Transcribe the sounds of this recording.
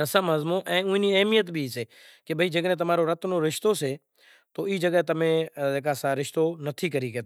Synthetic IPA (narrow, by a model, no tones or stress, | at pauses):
ɾəsəməzmõːʔɛ̃ːʊ̃ːĩːniːəɦmijət̪bʱiːseː | kebʱəiːd͡ʒəɡnẽːt̪əmaːɾoːɾət̪nõːɾɪʃt̪oːseː | t̪oːiːd͡ʒəɡət̪əmẽːeːkaːsaːɾɪʃt̪oːnət̪ʰiːkəɾiːkeːt̪ː